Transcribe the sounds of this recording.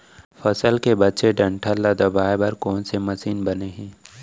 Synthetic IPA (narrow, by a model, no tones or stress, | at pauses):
fɐsəlkebɐtːʃeɖɐ̃ɳʈʰəlːad̪ɐbaːebəɾkɔːnsemɐsiːnbɐneɦɛ̃ː